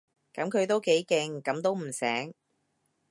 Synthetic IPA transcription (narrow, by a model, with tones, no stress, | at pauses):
kɐ˨˥mkʰɵ˨˧ɥt̪o˥wke˨˥jkɛː˧ŋkɐ˨˧˥mt̪̬o˥wm̩˨˩sɛː˨˥ŋ